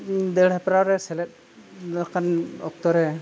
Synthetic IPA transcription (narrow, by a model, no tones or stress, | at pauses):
d̪ɛɽɛpɾawɾɛsɛlɛt̚ | akʰanɔk̚t̪ɔɾɛ